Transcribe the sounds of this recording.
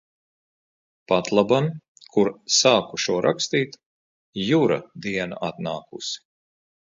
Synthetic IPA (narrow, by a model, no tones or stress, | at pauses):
pat̪lˠaban | kʰuɾsaːkuʃuɔɾʔa̰kst̪iːt̪ | juɾa̰d̪iɛna̰at̪naːkṵsi̥